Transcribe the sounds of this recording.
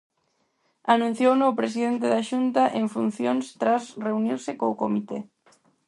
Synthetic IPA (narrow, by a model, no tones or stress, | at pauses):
anũn̟θjownowpɾesiðent̪eðaʃunt̪aʔeɱfun̟θjoŋst̪ɾasreuniɾsɪkoʊkomit̪e